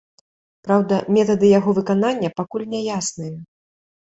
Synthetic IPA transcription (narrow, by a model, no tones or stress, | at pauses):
pɾawd̪ɐmʲɛt̪ɐd̪ɨjaɣɔvɨkananʲːɐpakulʲnʲɛjasnɨjɐ